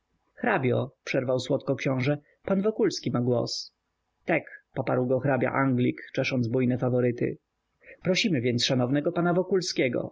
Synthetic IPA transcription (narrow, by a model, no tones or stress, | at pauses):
xɾabʲjɔpʂɛɾvawswɔt̪kɔkɕɔ̃w̃ʐɛ | panvɔkulskʲimaɡwɔ̰s | t̪ɛkpɔpaɾwɡɔxɾabʲja̰ʔaŋɡlʲikt͡ʂɛʂɔnd̪zbujnɛfavɔɾɘt̪ɘ̰ | pɾɔɕimɘvʲjɛnt̪sʂanɔvnɛɡɔpanavɔkulskʲɛɡɔ̰